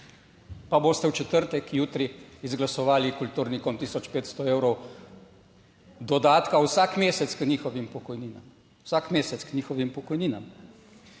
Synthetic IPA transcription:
paboːst̪ɛwt͡ʃɛt̪əɾt̪ɛkʰjuːt̪ɾiizɡlasɔʋaːlikult̪uːɾnikɔmt̪iːsɔt͡ʃpeːt̪st̪ɔeːwɾɔw | d̪ɔd̪aːt̪kawsakmeːsɛt̪sknʲiːxɔʋimpɔkɔjniːna̰m | wsaːkmeːsɛt̪sknʲɲiːxɔʋimpɔkɔjniːnam

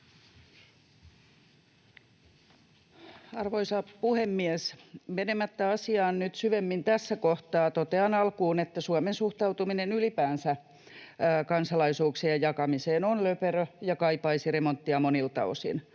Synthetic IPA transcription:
ɑrʋoisɑpuhemːiesmenemæt̪ːæɑsiɑːnnyt̪syʋemːint̪æsːækoht̪ɑːt̪ot̪eɑnɑlkuːnet̪ːæsuɑmensuht̪ɑwt̪uminenylipæːnsæ | kɑnsɑlɑisuːksiɑjɑkɑmiseːnonløperøjɑkɑipɑisiremont̪ːiɑmonilt̪ɑ̰o̰sḭn

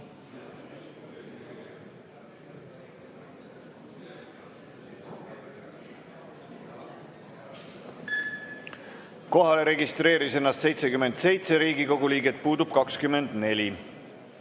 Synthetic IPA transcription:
ko̞ɦɑle̞ɾe̞ɡist̪ɾe̞ːɾise̞nːɑst̪se̞jt̪se̞kyme̞nd̪se̞jt̪se̞ɾiːɡiko̞ɡuliːɡet̪̚puːd̪ub̥̚kɑkskyme̞nd̪ne̞lʲi

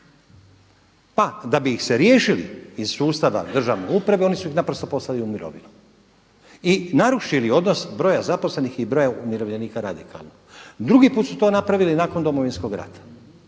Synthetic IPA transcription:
pad̪abiːxse̞ɾje̞ːʃilḭiz̥suːst̪aʋa̰d̪r̩ʒaʋnḛupɾaʋeo̞nisuixnapɾost̪o̞po̞slaliumiɾo̞̰ʋḭnu | inaɾuʃilio̞d̪no̞sbɾo̞ːjazapo̞sle̞nixibɾo̞ːjaumiɾo̞ʋʎeniːkaɾad̪ikʰa̰lˠnoɡd̪ɾuɡipuːt̪sut̪o̞ːnapɾaʋilinaːko̞nd̪o̞mo̞ʋinsko̞ɡɾa̰t̪ḁ

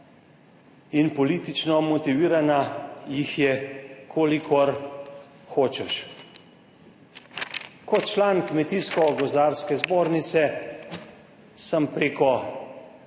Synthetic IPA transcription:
inpɔliːt̪it͡ʃnɔmɔt̪iʋiːɾanajixjɛkʰoːlikʰɔɾ | xoːt͡ʃɛʃ | kɔt̪t͡ʃlaːnkmɛt̪iːskɔɡɔzaɾskɛzboːɾnit̪sɛ | səmpɾeːkɔ

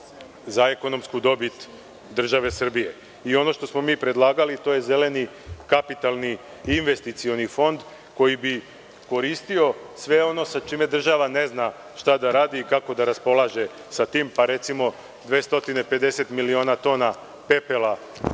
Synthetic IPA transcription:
zaeko̞no̞mskud̪o̞bit̪ | d̪r̩ʒaʋe̞sr̩bije̞ | io̞no̞ʃt̪o̞smo̞miːpɾe̞d̪lˠaːɡalit̪o̞je̞ze̞le̞ni | kapit̪alˠni | inʋe̞st̪it̪sio̞nifo̞nd̪ | ko̞jibi | ko̞ɾiːst̪io̞sʋe̞o̞no̞sat͡ʃiːme̞d̪r̩ʒaʋane̞zna | ʃt̪ad̪aɾaːd̪iːkako̞d̪aɾaspo̞lˠaːʒe̞ | sat̪iːmpaɾe̞t̪simo̞ | d̪ʋeːst̪o̞t̪ine̞pe̞d̪e̞se̞t̪milionat̪o̞ːna | pe̞pelˠa

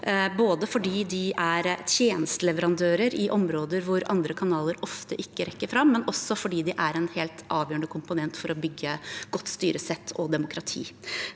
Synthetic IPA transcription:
boːd̪əfɔɖiːd̪ɪʔæɾt̪ʰjeːnəst̪əlɛʋəɾɑnd̪øːɾəɾɪʔɔmɾoːd̪əɾʋʊɾɑ̰nd̪ɾəkʰɑnɑːləɾɔft̪əʔɪkːəɾʔɛkːəɾfɾɑmːɛnɔsːɔfɔɖiːd̪ɪʔæɾɛnheːlt̪ɑːʋjøːɳəkʰʊmpʊnɛnt̪fɔɾɔbʏɡːəɡ̥ɔt̪ːst̪yːɾəsɛt̪ʰːɔd̪ɛmʊkʰɾɑt̪ʰḭː

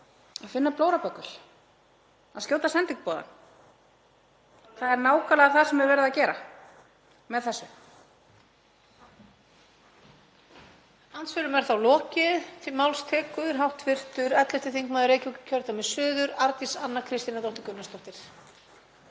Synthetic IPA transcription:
aðfɪnːaploːwɾapœkːʏl̥ | aðscjoːwt̪asɛnt̪ɪŋk̚pɔːða̰n | θaðɛɾnaːwkalɛɣaθasɛmɛɾvɛːɾɪðacɛːɾa̰ | mɛðθɛsːʏ | ant̪sfʏɾʏmɛɾ̥θawlɔːcɪðmawlst̪ʰɛːkʏðʏɾɦawht̪ʰvɪr̥t̪ʏɾɛt̪lɛst̪ɪθiŋkmaːðʏɾeːjcucʏ̥cʰœɾt̪amɪsʏːðʏɾaɾt̪isanːakʰɾɪst̪inat̪ɔwht̪ɪkʏnːast̪ɔht̪ɪɾ̥

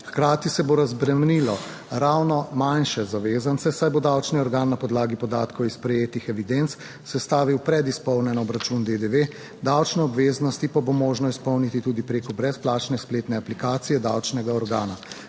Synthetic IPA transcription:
xkɾaːt̪isɛboɾazbɾɛmnilɔ | ɾawnɔmanʃɛzaʋeːzansɛsajbod̪awt͡ʃniɔɾɡaːnːapɔd̪laːɡipɔd̪aːt̪kɔwispɾɛjeːt̪ixɛʋid̪ent̪s | sɛst̪aːʋiwpɾɛd̪ispɔwnɛnɔːbɾat͡ʃund̪ed̪eʋe | d̪awt͡ʃnɛɔbʋeːznɔst̪ipabomoːʒnɔispɔwnit̪it̪uːd̪ipɾeːkɔbɾɛsplaːt͡ʃnɛspleːt̪nɛaplikaːt̪sijɛd̪awt͡ʃnɛɡaɔɾɡaːna

